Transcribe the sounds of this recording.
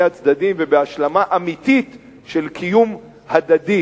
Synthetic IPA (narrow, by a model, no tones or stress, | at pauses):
at͡sd̪ad̪imvebeaʃlamaʔamit̪it̪ | ʃelkʰijum | had̪ad̪i